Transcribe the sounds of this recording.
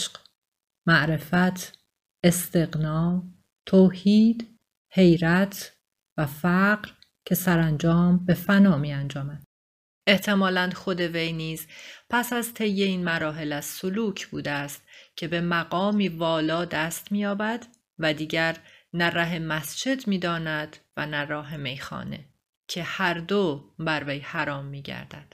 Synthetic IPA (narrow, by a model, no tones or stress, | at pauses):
ʃq | mæʔɾe̞fæt̪ʰ | e̞st̪e̞ɣnɒː | t̪ʰoːhiːd̪ | he̞jɾæt̪ʰ | væfæɢɾ | cʰe̞sæɾænd͡ʒɒːmbe̞fænɒːmiːænd͡ʒɒːmæd̪̥ | e̞ht̪ʰe̞mɒːlænd̪xo̞d̪e̞ve̞jniːzpʰæsæzt̪ʰe̞jːe̞iːnmæɾɒːɦe̞læz̥soluːcʰb̥uːd̪est̪cʰe̞be̞mæɣɒːmiːvɒːlɒːd̪æːst̪miːjɒːbæd̪ | væd̪iːɟæɾnæræɦe̞mæsd͡ʒe̞d̪miːd̪ɒːnæd̪̥væ̰nærɒːɦe̞me̞jxɒ̰ːne̞̰ | cʰe̞hæɾd̪obæɾvejhæɾɒːmːiːɟæ̰ɾd̪æ̰d̪̥